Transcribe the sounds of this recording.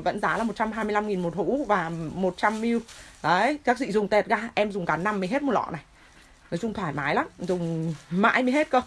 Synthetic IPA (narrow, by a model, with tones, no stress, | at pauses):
və̰˧˥nzaː˨˦laː˨˩mo˨˩t͡ɕa˧mɦaː˧jmɨ˧jla˧mŋi˨˩nmo˨˩t̚hṵ˧˥vaː˨˩mo˨˩t̚t͡ɕa˧mːi˧wɗə˨˦jka˦˥k̚zḭ˧˨zʊ˨˩ŋ͡mt̪ɛ˨˩t̚ɣaː˧ʔɛ˧mzʊ˨˩ŋ͡mkaː˨˦nna˧mːi˨˩ɦe˦˥t̚mo˨˩lɔ̰˧˨na˨˩j | nə˨˦jzʊ˧ŋ͡mt̪ʰwaː˧˩jmaː˨˦jla˨˦nzʊ˨˩ŋ͡mma̰ː˧˥jmi˧˦ɦe˦˥t̚kə˧